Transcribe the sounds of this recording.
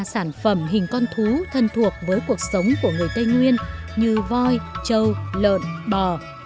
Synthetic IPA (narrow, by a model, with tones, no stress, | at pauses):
saː˧˩nfə˧˩mɦï˨˩ŋ̟kɔ˧nt̪ʰu˨˦t̪ʰə˧˩nt̪ʰu˨˩ək̚vəː˨˦jku˨˩ək̚sə˨˦wŋ͡mku˧˩əŋɨ˨˩əjt̪ə˧jŋwi˧ən | ɲɨ˧vɔ˧jt͡ɕə˧˩wlə̰ː˧˨nɓəː˨˩